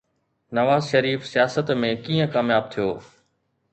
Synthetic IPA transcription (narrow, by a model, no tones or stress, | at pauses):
nɐʋaːzʃɐɾiːfsijaːsət̪mẽkiːə̃kaːmjaːb̚t̪ʰijoː